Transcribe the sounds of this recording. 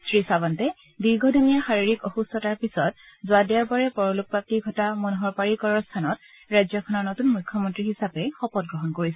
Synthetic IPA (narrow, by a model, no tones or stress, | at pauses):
sɹisabɔntɛ | biɹɡɔdʱɔmijaxaɹiɹikɔxustɔtaɹpisɔt̚ | zʊadiaɹbaɹɛpɔɹɔluk̚pap̚tiɡʱɔtamɔnɦɔɹpaɹikɔɹɔɹstʰanɔt̚ | ɹajzjɔkʰɔnɔɹnotunmujkʰːjɔmɔntɹiɦisapɛxɔpɔt̚ɡɹɔɦɔnkoɹisɛ